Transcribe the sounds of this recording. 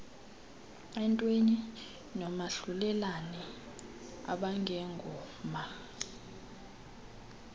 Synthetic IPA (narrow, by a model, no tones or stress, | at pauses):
ɛntʼweni | nɔmaɬulɛlanɛ | a̰ɓaŋʱɛŋɡʱɔː | ma